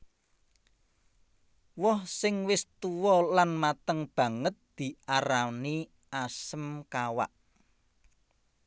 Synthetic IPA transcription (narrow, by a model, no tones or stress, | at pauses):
wɔhsɪŋwɪst̪uwɔlanmat̪əŋb̥ä̤ŋət̪̚d̪̥i̤aɾani | ʔasəmkawa̰ʔ